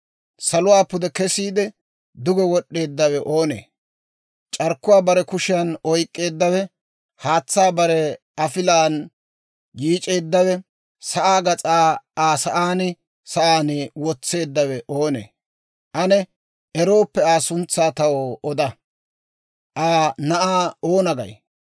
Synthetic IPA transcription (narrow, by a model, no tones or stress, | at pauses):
sɐlʊwaːpʊd̪ɛkɛsiːd̪ɛ | d̪ʊɡɛwɔɗːe̞ːd̪ːɐwɛʔo̞ːnḛː | t͡ʃʼɐɾkːʊwaːbɐɾɛkʊʃɪɐnɔjkʼːe̞ːd̪ːɐwɛ | haːt͡sːaːbɐɾɛ | ɐfɪlaːn | jiːt͡ʃʼe̞ːd̪ːɐwɛ | sɐʔaːɡɐt͡sʼaːaːsɐʔaːnɪ | sɐʔaːnɪwɔt͡sːe̞ːd̪ːɐwɛʔoːnḛː | ʔɐnɛ | ɛɾo̞ːpːɛaːsʊnt͡sːaːt̪ɐwoɔd̪ɐ | ʔaːnɐʔaːoːnɐɡɐ̰j